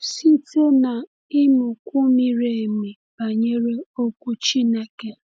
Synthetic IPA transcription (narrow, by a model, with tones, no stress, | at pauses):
si˦te˦na˨ | ɪ˦mʊ˨kʷu˦mi˨ɾe˨mi˨ | ba˨ɲe˦ɾe˦o˦kʷu˦t͡ʃi˦ne˨ke˦